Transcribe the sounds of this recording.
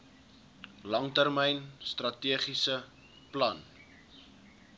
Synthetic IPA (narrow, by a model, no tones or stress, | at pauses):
lɐŋtərmɛjnstrɐtiəχisə | plɐn